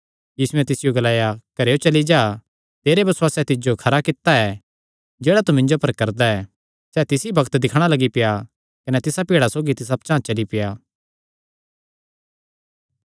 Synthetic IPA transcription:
jiːsuɛ̃t̪ɪsɪjoɡɐlaːjakɐɾejot͡ʃɐlid͡ʒaː | t̪eːɾebɐswaːsɛt̪ɪd͡ʒokʰɐɾakɪt̪ːaɛ | d͡ʒeːɽat̪umɪ̃ɲd͡ʒopɐɾkɐɾd̪aɛ | sɛːt̪ɪsibɐkt̪d̪ɪkʰɽ̃alɐɡipɪja | kɐnɛt̪ɪsapɪːɽasoːɡit̪ɪs̬apt͡ʃãːt͡ʃɐlipɪjaː

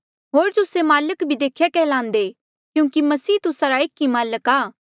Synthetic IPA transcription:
ɦoːɾt̪ʊsemaːləkbʱid̪eːkʰːjakɛlãːnd̪e | kjũːŋkimɐsiːt̪ʊsaɾaekːimaːləkaː

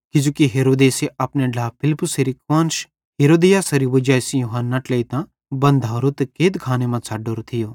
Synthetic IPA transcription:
kɪd͡ʒukiɦeːɾoːd̪eːseʔɐpneɖʱaːpʰɪlpʊseɾikʋãːnʃ | ɦeːɾoːd̪ijaːsɐɾiʋɐd͡ʒaːsijuɦanːaʈleit̪ã | bɐ̃nd̪ʱaːɾot̪keːt̪kʰaːnemãt͡sʰaːɖoːɾt̪ʰɪjoː

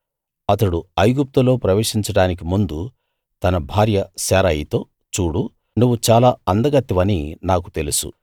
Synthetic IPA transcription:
ɐt̪ɐɽuɐjɡup̚t̪ulo̞ːpɾɐʋe̞ːʂiɲt͡ʃɐɽaːnik̬imund̪u | t̪ɐnɐbʱaːɾjɐsɛːɾɐjit̪o̞ː | t͡ʃuːɽu | nuʋːut͡ʃaːlaːɐnd̪ɐɡɐt̪ːiʋɐninaːk̬u̥t̪e̞lusṵ

